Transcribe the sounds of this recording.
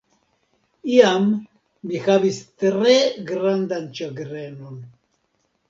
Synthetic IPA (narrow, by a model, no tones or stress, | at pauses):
iamː | ixavist̪ɾeɡɾand̪ant͡ʃaɡɾenon